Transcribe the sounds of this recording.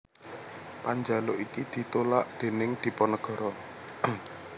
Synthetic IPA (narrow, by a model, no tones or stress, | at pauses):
paɲd͡ʒaloʔikid̪̥i̤t̪olaʔd̪̥e̤nɪŋd̪̥i̤pɔnəɡ̥ɔ̤ɾɔ